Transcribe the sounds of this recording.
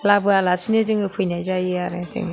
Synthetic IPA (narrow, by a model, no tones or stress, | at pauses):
labɯalasineziŋɯpʰɯjnajzajiaɾezḭŋ